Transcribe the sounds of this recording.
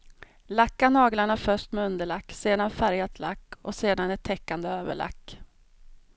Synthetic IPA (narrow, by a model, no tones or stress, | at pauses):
lakːanɑːɡlaɳafœʂʈmɛɵnd̪əɭakːseːd̪anfæɾjat̪ʰla̰kːɔ̰seːd̪anɛt̪ʰːɛkːand̪əøːvə̰ɭa̰kː